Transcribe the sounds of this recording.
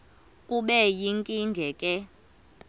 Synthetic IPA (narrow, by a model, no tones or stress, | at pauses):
kʼuɓɛjiŋkʼiŋɡʱɛkʼɛ